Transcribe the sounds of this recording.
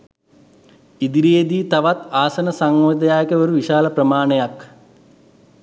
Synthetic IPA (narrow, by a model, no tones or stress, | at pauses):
id̪iɾijed̪iːt̪ɐʋat̪aːsɐnɐsaŋod̪ɐjaːjekəʋoɾuʋiʃaːlɐprɐmaːɳejak